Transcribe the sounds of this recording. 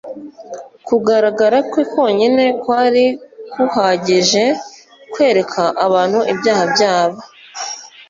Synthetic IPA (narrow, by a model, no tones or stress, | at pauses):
kuɡaɾaɡaɾakwikwo̞ːɲine̞kwaːɾikuhaːɟiʒe̞ | kwe̞ːɾe̞kʰaʔaβaːn̥huʔibjaːhabɟaːβa